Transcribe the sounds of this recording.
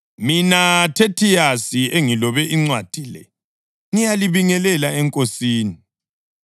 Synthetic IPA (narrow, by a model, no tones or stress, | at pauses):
minatʰetʰijasieŋilɔβɛʔiŋ͡ǀwad̥ʱilɛ̰ | ŋijaliβiŋɛlɛlaɛŋkʼosiːni